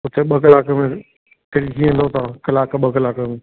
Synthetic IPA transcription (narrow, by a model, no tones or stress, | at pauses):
ʊt̪eɓɐɡlaːkəmẽ | kɪɽikʰiə̃nd̪ot̪ãkɐlaːkɓəɡlaːkəmẽ